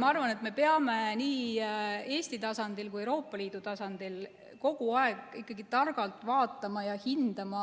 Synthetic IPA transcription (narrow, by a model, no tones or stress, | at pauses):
mɑɑrvɑne̞t̪me̞pe̞ɑme̞niː | e̞ːst̪it̪ɑsɑnd̪ilkujewɾo̞ːpːˑɑliːd̪̥ut̪ɑsɑnd̪̥il | ko̞ɡ̥uɑe̞ɡikːˑɑɡit̪ɑrɡɑlt̪ːˑvɑːt̪ːˑɑmɑjɑhind̪̥ɑmɑ